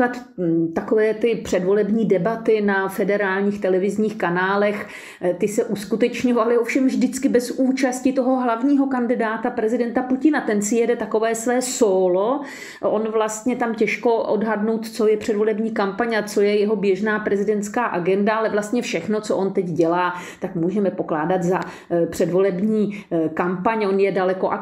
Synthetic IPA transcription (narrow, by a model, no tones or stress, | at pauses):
at̪t̪akovɛːt̪ɪpr̝̥ɛdvo̞lɛbɲiːdɛbat̪ɪnafɛdɛɾaːlɲiːxt̪ɛlɛvɪzɲiːxkanaːlɛx | t̪ɪsɛʔuskut̪ɛt͡ʃɲovalɪofʃɛmvʒdɪt͡skɪbɛzuːt͡ʃascɪt̪oɦo̞ɦlavɲiːɦo̞kandɪdaːt̪apɾɛzɪdɛnt̪apucɪnat̪ɛnsɪjɛdɛt̪ako̞vɛːsvɛːsoːlo | ʔonvlast̪ɲɛt̪amcɛʃko̞ʔo̰dɦadnowt̪t͡so̞jɛpr̝̥ɛdvo̞lɛbɲiːkampaɲat͡so̞jɛjɛɦo̞bjɛʒnaːpɾɛzɪdɛnt̪t͡skaːʔaɡɛndaalɛvlast̪ɲɛfʃɛxno̞t͡soʔo̞nt̪ɛɟɟɛlaː | t̪akmuːʒɛmɛpo̞klaːdat̪za | pr̝̥ɛdvo̞lɛbɲiːkampaɲo̞njɛdalɛko̞ʔa